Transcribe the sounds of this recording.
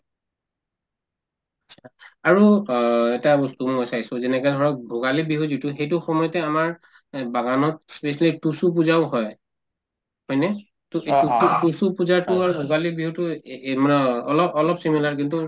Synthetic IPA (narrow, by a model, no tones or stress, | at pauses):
at͡ʃʰaaɹuɛtabɔstumɔjsajsʊzɛnɛkɔdʱɔɹɔk̚bʱoɡalibiɦuzituxejtʊxɔmɔjɔtɛamaɹ | baɡanɔt̚spesalitusup̬uzaʊɦɔj | hɔjnɛ | tutusupuzaɹtʊaɹubʱoɡalibiɦutʊmanɛɔlɔɔlɔpsimilaɹkintu